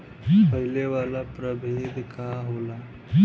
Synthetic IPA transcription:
pəɦɪleʋaːlapɾəbʱeːd̪kaɦoːlaː

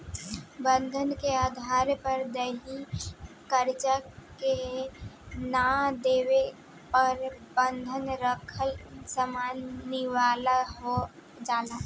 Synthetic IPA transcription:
bə̃nd̪ʱənkeaːd̪ʱaːɾpəɾd̪əɦi | kəɾt͡ʃake | nad̪eːʋe | pəɾbənd̪ʱənɾəkʰəlsəmaːnɪʋaːlaɦo | d͡ʒaːlaː

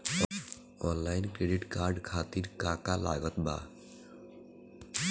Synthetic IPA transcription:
ɔnlajnkɾeɖiʈkaɾɖkʰat̪iɾkakala̰ɡɔt̪ba̰

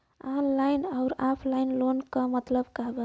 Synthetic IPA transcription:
anlajnaʊɾapʰlainlonkəmət̪ləbkəɦbə

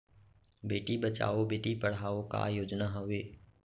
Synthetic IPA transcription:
beːʈibət͡ʃa̰ːobeːʈipəɽ̤aːoka̰joːd͡ʒnaːɦʊʋeː

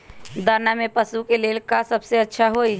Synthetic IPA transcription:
d̪əɾnamepəsukelelkasəbseətːʃʰaɦoi

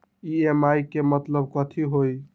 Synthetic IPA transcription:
iemaikemət̪ləb̚kət̪ʰiɦoj

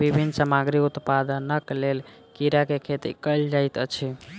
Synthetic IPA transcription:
bibʱinːsəmaɡɾiut̪pad̪ənəklel | kiɾakekʰet̪ḭkəjld͡ʒajt̪ət͡ʃʰi

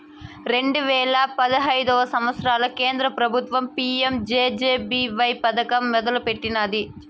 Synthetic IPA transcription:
ɾe̞ɳɖuʋɛːɭɐpɐd̪ɐɦɐjd̪ɔːʋɐsɐmʋɐt̪sɐɾaːlɐkeːnd̪ɾɐpɾɐbʱut̪ʋɐmpiemd͡ʒeːd͡ʒeːbiʋɐjpɐd̪ɐkɐmːɛd̪ɐlupeʈːinɐd̪i

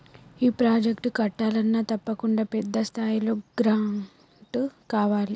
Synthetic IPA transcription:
iːpɾaːd͡ʒekʈkɐʈːaːlɐnːaːt̪ɐpːɐkuɳɖaːpɛd̪ːɐst̪ʰaːjilo̞ːɡɾawɳ | ʈkaːʋaːli

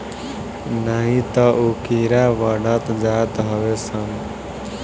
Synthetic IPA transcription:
nʌɦĩt̪ʌʔukiɾaʋʌɽʌt̪d͡zat̪ɦʌβesʰʌn

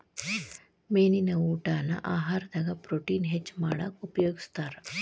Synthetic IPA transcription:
meninəʋuʈana̰ʔaɦaɾd̪aɡapɾoʈiːnɦet͡ɕmaɽ̃əkupjoɡst̪aɾ

